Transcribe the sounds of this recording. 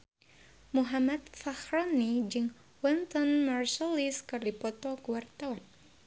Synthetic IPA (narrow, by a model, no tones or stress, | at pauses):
muɦamat̪̚fahrɔnid͡ʒɨŋ | wɛnt̪ɔnmarsɔliskɨrdipɔt̪ɔkuwart̪awan